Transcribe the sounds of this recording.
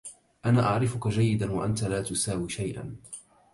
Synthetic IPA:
ʔanaːʔaʕɾɪfʊkad͡ʒajːɪd̪anwaʔant̪alaːt̪ʊsaːwiːʃajʔa̰n

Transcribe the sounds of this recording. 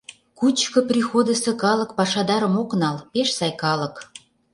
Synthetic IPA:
kut͡ɕkŏprʲixod̪ə̆sĕkɑlə̆kpɑʃɑd̪ɑɾə̆moknɑlpeʃsɑjkɑlɤ̆k

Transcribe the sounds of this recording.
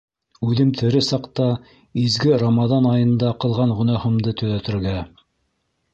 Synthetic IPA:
ʉðɘmt̪ʰɘ̆ɾɘsɑqt̪ɑ | izɡɘɾomɑðɑnɑjɤ̆nd̪ɑqɤ̆lˠʁɑɴʁɵ̆nɑhɤ̆md̪ɤt̪ɵ̆ðæt̪ɘ̆ɾɡæ

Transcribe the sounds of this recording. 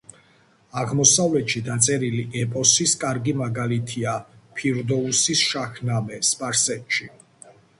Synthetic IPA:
aʁmɔsavlɛt̪ʃid̪at̪sʼɛɾiliʔɛpʼɔsiskʼaɾɡimaɡalit̪ʰiapʰiɾd̪ɔusisʃakʰnamɛspʼaɾsɛt̪ʃi

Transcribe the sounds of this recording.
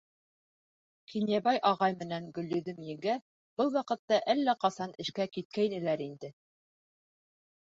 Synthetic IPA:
qinjæbɑjʔɑʁɑjmɘ̆næŋɡɵ̆lːɵ̆ðɘmjɘ̆ɡæ | b̥ɤlˠwɑqɤ̆t̪ːɑʔælːæqɑsɑnɘ̆ʃkækit̪̚kæjnɘ̆læɾind̪ɘ

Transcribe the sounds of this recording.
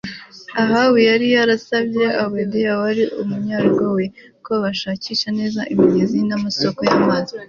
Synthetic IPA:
aɦawejaɾijaɾasabjeawedejawaɾiʔumuɲaɾɡawe | koβaʃaːciʃane̞ːzaʔimiɟezinamaso̞ko̞jamazi

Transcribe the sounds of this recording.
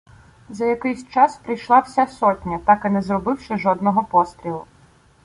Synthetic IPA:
zɐjɐkɪjsʲt͡ʃɑspɾɪjʃlˠɑwsʲasɔtʲnʲɐt̪ɑkɪnɛzrɔbɪwʃɪʒɔd̪nɔɦɔpɔst̪ɾʲilˠʊ

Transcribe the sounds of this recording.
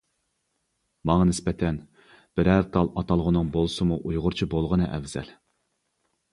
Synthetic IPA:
mɑŋɑnɪspɛt̪ʰɛn | b̥ɪɾæɾt̪ʰɑlˠɑt̪ʰɑlˠʁʊnɨŋbolˠsɨmuʔujʁʊɾt͡ʃʰibolˠʁənɨʔɛ̰vz̥ɛ̰l

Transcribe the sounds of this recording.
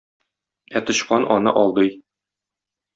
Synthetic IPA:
æt̪ŏɕqɑnʔɒnɤ̰ʔɒlˠd̪ɤj

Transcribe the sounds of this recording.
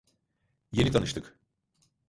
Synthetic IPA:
je̞nit̪ʰanɯʃt̪ʰɯk

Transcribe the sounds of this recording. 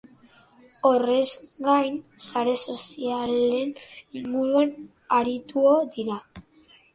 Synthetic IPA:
o̞re̞zɡajnsaɾe̞so̞siale̞niŋɡuɾuan | aɾit̪uoðiɾa

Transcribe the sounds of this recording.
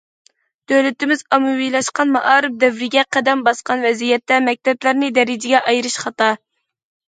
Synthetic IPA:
d̪̥øwlɪt̪ɪmɪzɑmɨwijlˠɑʃqɑnmɑʔɑːɾɨp̚d̪ɛvɾɪɡʲɛqʰæd̪ɛmbɑsqɑnvɛzijɛt̪ːɛmɛk̚ʲt̪ɛblæɾnɪd̪ɛɾɪd͡ʒɪɡʲɛʔɑjɾɨʃχɑt̪ɑ

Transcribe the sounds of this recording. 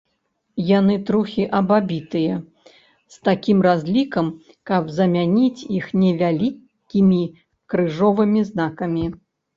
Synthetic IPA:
janɨt̪ɾuxʲiʔɐbabʲit̪ɨjɐ | st̪akʲimɾazʲlʲikɐm | kɐbzɐmʲanʲit͡sʲixnʲɛvʲalʲi | kʲimʲi | kɾɨʐɔvɨmʲiznakɐmʲi

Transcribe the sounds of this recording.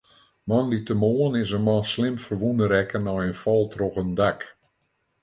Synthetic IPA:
mɑnditəmoːənɪsənmɔnslɪmfərʋunəɾɛkənɔjənfɔlˠtʰrɔxəndak

